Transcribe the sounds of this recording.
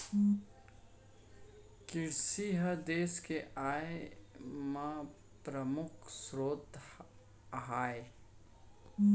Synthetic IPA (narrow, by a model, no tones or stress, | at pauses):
kɪɾsiɦəd̪eːskeʔaːe | mã | pɾəmʊkʰsɾoːt̪ | ɦaːe